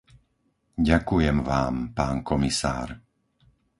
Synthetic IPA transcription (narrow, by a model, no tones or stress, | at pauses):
ɟakujɛmʋaːmpaːnkɔmisa̰ːɾ